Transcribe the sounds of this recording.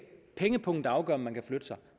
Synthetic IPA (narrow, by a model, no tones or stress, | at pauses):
pʰeŋəpʰɔ̽ŋ̰d̥ɑ̈ʊɡ̥ɶ̰ɐɒ̽mːænkʰæflød̥əsɑ̈ɪ